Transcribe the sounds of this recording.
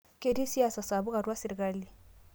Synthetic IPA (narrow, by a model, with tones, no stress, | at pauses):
ke˦di˦si˦a˦˨sa˨sa˨βu˦ɣa˨ɾwa˦si˨ɾi˨ka˦li˨